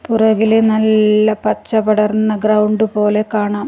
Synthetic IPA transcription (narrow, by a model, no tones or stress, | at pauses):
purɐɣilenɐlːɐpɐt͡ɕːɐpɐɽɐrnːɐɡrɐwɳɖɨpo̞ːle̞kaːɳaːm